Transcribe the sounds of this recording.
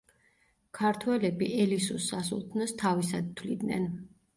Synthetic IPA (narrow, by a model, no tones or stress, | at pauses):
kʰaɾt̪ʰwɛlɛbiʔɛlisusasṵlˠt̪ʰnɔst̪ʰavis̬ad̪̚t̪ʰwlid̪nɛ̰n